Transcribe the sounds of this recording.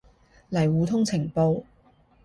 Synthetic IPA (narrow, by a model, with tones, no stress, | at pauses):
lɐ˨˩jwuː˨˧t̪ʰʊ˥ŋt͡sʰɪ˨˩ŋpo˧w